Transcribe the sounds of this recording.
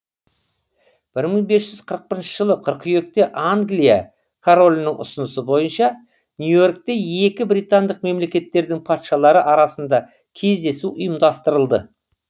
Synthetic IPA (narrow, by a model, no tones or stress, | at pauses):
b̥ɪɾməɴbe̞sʒ̥ʏz̥qʰəɾəq̚pɪɾɪnʃəʒəlˠəqʰəɾqʰʏje̞k̚t̪e̞ʔaŋɡlija̰ | kʰoɾo̞lʲnəŋʊ̰sʊnəsəbo̞jənʃɑ | nʲjujo̞rk̚t̪e̞e̞kʲɪbɾʲijt̪and̪əqme̞mle̞kʲe̞t̪ːe̞ɾd̪ɪŋpʰɑt̪ʃɑlˠɑɾəʔɑɾɑsənd̪ɑ | kʲʰe̞zd̪e̞suʔʊjəmd̪ɑst̪əɾəlˠd̪ə̰